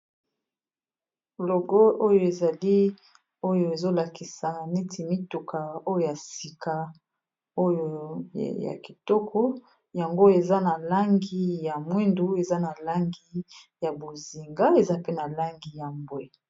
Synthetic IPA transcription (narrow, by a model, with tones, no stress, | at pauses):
lo˨ɡo˦o˦jo˨e˨za˨li˦ | o˦jo˨e˨zo˦la˨ki˨sa˨ne˦ti˨mi˦tu˨kʰa˨o˦jo˦ja˨si˨kʰa˨ | o˦jo˨ja̰˨ki˨tɔ˦kʰɔ˦ | ja˨ŋɡo˦e˨za˦na˨la˦ŋɡi˦ja˨mwi˦ndu˨e˨za˦na˨la˦ŋɡi˦ | ja˨bo˨zi˨ŋɡa˦e˨za˦pe˦na˨la˦ŋɡi˨ja˨mbwe˦